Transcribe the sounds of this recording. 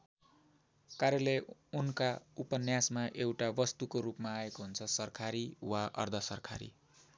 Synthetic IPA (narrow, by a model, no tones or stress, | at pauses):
kaɾjʌlejunkaupʌnjasmaʔewʈabʌst̪ukoɾupmaːekoɦunt͡sʰʌsʌrkʰaɾiwaʔʌ̰rd̪ʱʌsʌrkʰa̰ɾḭ